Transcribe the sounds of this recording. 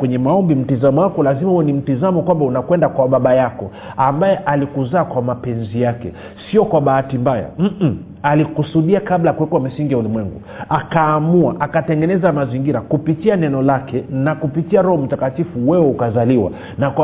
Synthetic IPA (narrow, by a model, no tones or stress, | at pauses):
wɛɲɛmaɔmbim̩tizamɔwakɔlazimauɛnim̩tizamɔkwambaunakwɛndakwaɓaɓajakɔ | ambajɛʔalikuzaːkwamapɛnzijakɛ̰ | siɔkwaɓaatimbaja̰m̩m̩ | alikusuɗiakablajakuwɛkwam̩siŋɡiaulimwɛŋɡu | akaːmuaʔakatɛŋɡɛnɛzamaziŋɡiɾakupitianɛnɔlakɛnakupitiaɾɔhɔm̩takatifuwɛwɛukazaliwa̰ | nakwa